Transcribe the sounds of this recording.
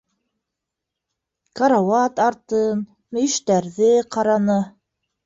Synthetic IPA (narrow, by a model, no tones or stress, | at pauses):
kɑɾɑwɑt̪ɑɾt̪ɤn | mɵ̆ɵʃt̪æɾðɘqɑɾɑnɤ